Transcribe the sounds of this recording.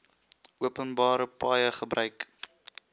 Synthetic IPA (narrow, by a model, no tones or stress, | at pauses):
ʔuəpənbɑːɾəpɑːjəχəbrʔœɥk